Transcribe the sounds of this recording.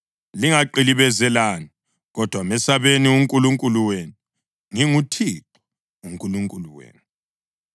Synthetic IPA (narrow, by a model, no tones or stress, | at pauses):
liŋaǃiliβɛzɛlani | ɣɔd̥ʱwamɛsaβeniuŋkʼuluŋkʼuluwenu | ŋiŋutʰiǁɔ | uŋkʼuluŋkʼuluwḛːnu